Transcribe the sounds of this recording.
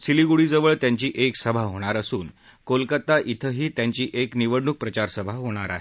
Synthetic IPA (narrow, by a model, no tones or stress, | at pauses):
siliɡuɽiːd͡zəʋəɭt̪jaɲt͡ɕiːʔeksəbʱaɦoɽ̃aɾəsuːn | kolkət̪aʔit̪ʰəɦiːt̪jaɲt͡ɕiːʔekniʋəɽɳuk̚pɾət͡ɕaɾsəbʱaɦoɽ̃aɾa̰ɦe